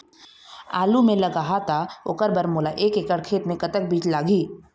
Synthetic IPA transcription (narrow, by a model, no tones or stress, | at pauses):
a̰ːlumẽlɐɡaɦat̪ʰaʊ̰kəɾbəɾmoːlaʔeːkekəɽkʰeːt̪mẽkɐt̪ək̚biːt͡ʃlaːɡiː